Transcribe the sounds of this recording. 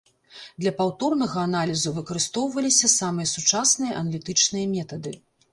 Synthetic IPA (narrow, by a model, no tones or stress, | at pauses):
d̪lʲɐpawt̪ɔrnɐɣɐːnalʲizuvɨkɐɾɨst̪ɔwvɐlʲisʲɐsamɨjɐsut͡ʂasnɨjɐʔɐnɐlʲit̪ɨt͡ʂnɨjɐmʲɛt̪ɐd̪ɨ